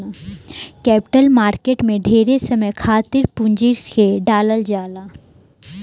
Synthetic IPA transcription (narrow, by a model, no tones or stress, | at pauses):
kɛːpɪ̥ʈəlmaːɾkeːʈmẽɖʱeːɾesɐməjkʰaːt̪ɪɾpũɲd͡ʒiɾkeɖaːləld͡ʒaːlaː